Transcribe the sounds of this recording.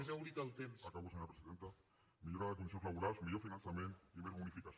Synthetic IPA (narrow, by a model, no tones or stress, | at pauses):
zawɾit̪ɐlˠt̪emsakaβoseɲoɾapɾesiðent̪a | miʎoɾaðekond̪isozlaβuɾasmiʎofinãnsamẽnt̪imeunifikas